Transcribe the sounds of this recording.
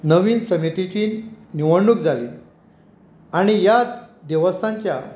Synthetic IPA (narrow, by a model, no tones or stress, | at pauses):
nəʋiːnsəmit̪it͡ɕiːnniʋəɽɳːukd͡zʱaliː | aɽ̃ijad̪eʋəst̪ʰãɲt͡ɕja̰